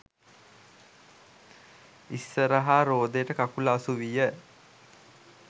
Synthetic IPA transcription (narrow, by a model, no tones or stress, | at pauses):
isːəɾəɦaɾoːd̪eʈəkakulaːsuʋijə